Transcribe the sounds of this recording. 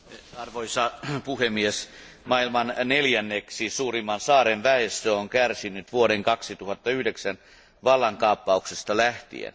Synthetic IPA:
ɑrʋoisɑpuhemies | mɑilmɑnneljænːeksisuːrimːɑnsɑːɾenʋæest̪øoŋkærsinyt̪ʋuoɾeŋkɑksit̪uhɑt̪ːɑyhdeksæn | ʋɑlːɑŋkɑːpːɑuksest̪ɑlæht̪ḭḛn

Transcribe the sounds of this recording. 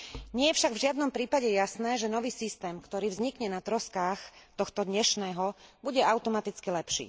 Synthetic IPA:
ɲɪɛjɛfʃaɡvʒɪad̪nɔmpɾiːpaɟɛjasnɛːʒɛnɔʋiːsist̪ɛːmkt̪ɔɾiːvzɲikɲɛnat̪ɾɔskaːxt̪ɔxt̪ɔd̪ɲɛʃnɛːɦɔbuɟɛaʊt̪ɔmat̪it͡skilɛpʃḭː

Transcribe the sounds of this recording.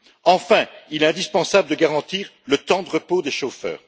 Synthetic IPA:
ɑ̃fɛ̃ilɛɛ̃d̪ispɑ̃sabləd̪əɡaʁɑ̃t̪iːʁlət̪ɑ̃d̪əʁəpod̪eʃofœ̰ːʁ

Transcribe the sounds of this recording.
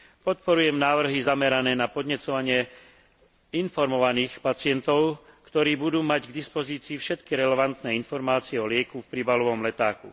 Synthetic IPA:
pɔt̪pɔɾujɛmnaːʋr̩ɦizamɛɾanɛːnapɔd̪ɲɛt͡sɔʋaɲɪɛ | infɔɾmɔʋaniːxpat͡sɪɛnt̪ɔʊkt̪ɔɾiːbud̪uːmaɟɡd̪ispɔziːt͡siːfʃɛt̪kiɾɛlɛʋant̪nɛːinfɔɾmaːt͡siɛɔlɪɛkufpɾibalɔʋɔmlɛt̪aːkṵ

